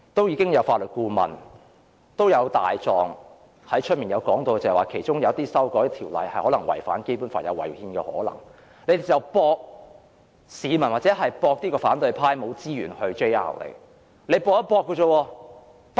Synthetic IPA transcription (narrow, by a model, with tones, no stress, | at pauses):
t̪o˥wjiː˨˧kɪ˥ŋjɐ˨˧wfaː˧t̚lɵ˨t̚kuː˧mɐ̰˨˩n | t̪o˥wjɐ˨˧wt̪a̰ː˨jt͡sɔː˨ŋ | hɐ˨˥jt͡ʃʰɵ˥t̚miː˨njɐ˨˧wkɔː˨˥ŋt̪o˧wkt͡sɐ˨waː˨kʰe˨˩jt͡ʃʊ˥ŋjɐ˨˧wt̪iː˥sɐ˥wkɔː˨˥jt̪ʰiː˨˩wlɐ̰˨jhɐ˨jhɔː˨˥lɐ˨˩ŋwɐ̰˨˩jfa̰ː˨˥nke˥jpuː˨˥nfaː˧njɐ˨˧wɐ̰˨˩jhiː˧nkɛː˧hɔ̰ː˨˥lɐ̰˨˩ŋ | le˨˧jd̪e˨˩t͡sɐ˨˩wpɔː˧k̚ | siː˨˧mɐ˨˩nwaː˨˩t͡sɛː˨˥ɦɐ˨jpɔː˧k̚t̪iː˥kɔː˧faː˨˥nt̪ɵ˨˧ɥpʰaː˥jmo˨˧wt͡siː˥ɥyː˨˩nhɵ˧ɥt͡ʃe˥ja̰ː˧˥˩wlḛ˨˩ | le˨˧jpɔː˧k̚ːpɔː˧kːo˧t͡so˧wɔː˧ | p